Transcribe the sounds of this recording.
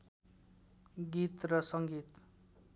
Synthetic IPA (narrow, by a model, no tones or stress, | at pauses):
ɡit̪rʌsʌŋɡit̪